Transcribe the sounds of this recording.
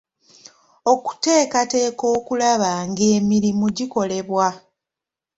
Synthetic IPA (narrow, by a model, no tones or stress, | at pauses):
o̞ku̥te̞ːkate̞ːko̞ːkulaβaŋɡeːmiɾimuɟiko̞le̞βwa